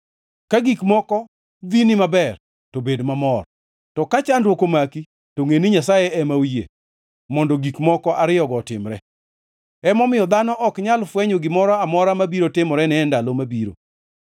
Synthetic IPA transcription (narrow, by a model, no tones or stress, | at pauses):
kaɡikmɔkɔ | d̪inɪmabɛr | tobedmamɔr | tɔkat͡ʃandwokomaki | toŋeniɲasajɛɛmawjḛ | mɔndɔɡikmɔkɔʔaɾɪjɔɡɔtɪ̰mɾɛ | ɛmɔmɪjɔd̪anɔʔɔkɲalfwɛɲoɡɪmɔɾɔamɔɾamabiɾotɪmɔɾɛnɛndalomabiɾo̰